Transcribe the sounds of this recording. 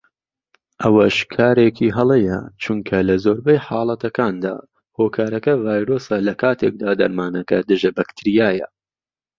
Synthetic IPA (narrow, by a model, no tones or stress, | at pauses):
ʔɐwɐʃkʰaːɾekʰiːɦɐlˠejɐ̰t͡ʃʰuŋkʰɐlɐzoːɾbɐjħɑːlˠɐt̪ɐkaːnd̪a̰ː | hoːkʰaːɾɐkɐvaːjɾoːsɐlɐkʰaːt̪ʰek̚d̪aːd̪ɐɾmaːnɐkɐd̪ɨʒɐbɐkt̪ʰɾijaːjɐ̰